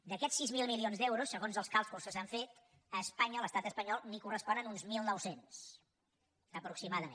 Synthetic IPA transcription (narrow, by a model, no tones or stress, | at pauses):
d̪əkɛsːizmilˠmilionzd̪ɛwɾusːəɣonzəlˠskalˠskulˠsəsaɱfet̪ | əspaɲələst̪at̪əspəɲɔlˠnikurəspɔnənunzmilˠnɔwsens | əpɾuksimaðəmḛ